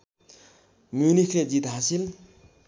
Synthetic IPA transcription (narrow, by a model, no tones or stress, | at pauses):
mjunikʰled͡zit̪ɦasil